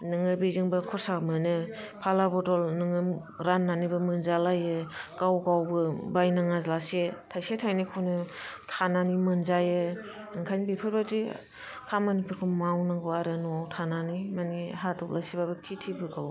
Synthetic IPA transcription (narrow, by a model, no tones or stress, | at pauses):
nɯŋɯbiziŋbɯkʰɔsamɯnɯ | pʰalabɔdɔlnɯŋɯ | ɾanːanibɯmɯnzalajɯkawɡawbɯbajnaŋazlasetʰajsetʰajnikʰɔnɯkʰananimɯnzajɯ | ɯŋkʰajnbipʰɯɾbadi | kʰamanipʰuɾkʰɔmawnaŋɡɔaɾɯnuawtʰananimaniɦatʰɔp̚lasibabɯkʰitʰibɯɡaw